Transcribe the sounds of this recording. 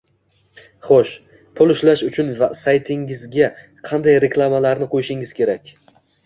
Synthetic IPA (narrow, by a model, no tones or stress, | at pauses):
χoʃ | pʰʊlˠʊʃlaʃʊt͡ʃʰʊnvasajt̪ʰɪŋɪzɡʲa | qʰɑnd̪ajɾe̞kʰlˠamalaɾnɪqʰojɪʃɪŋɪz̥kʲʰe̞ɾakʲ